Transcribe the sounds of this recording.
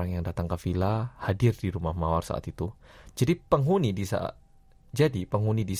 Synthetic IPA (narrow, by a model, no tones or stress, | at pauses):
aŋjaŋdat̪aŋkafilahadɪrdiɾumahmawarsa̰ʔa̰t̪it̪u | d͡ʒadipəŋɦunidisa̰ | d͡ʒadipəŋɦunidis